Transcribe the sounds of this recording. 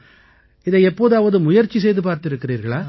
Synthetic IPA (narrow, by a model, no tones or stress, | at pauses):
ɪðɐɛpːoːðɐːʋɐðɯmʊjɐɾt͡ʃːis̬ɛjðɯpaːɾt̪ɪɾɯkːɪriːɾɣɐɭaː